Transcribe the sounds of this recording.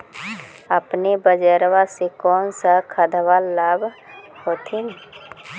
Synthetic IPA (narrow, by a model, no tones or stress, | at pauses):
əpnebəd͡ʒɛːɾwasekɔːnsakʰəd̪ʱwalːaːbhoːt̪ʰin